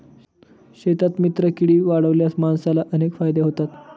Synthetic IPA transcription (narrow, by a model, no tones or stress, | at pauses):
ɕet̪at̪mit̪ɾəkiɽiːʋaɽəʋljasmansalaʔənekfajd̪eɦot̪at̪